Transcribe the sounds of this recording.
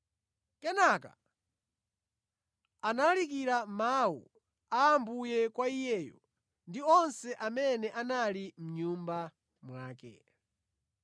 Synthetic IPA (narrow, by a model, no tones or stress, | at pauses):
kɛnaka̰ | analalik̬iɾamawṵ | aːmbujɛkwaijɛːjɔ̰ | ndiɔnsɛʔamɛnɛʔanalim̩ɲumba | mwaːkɛ̰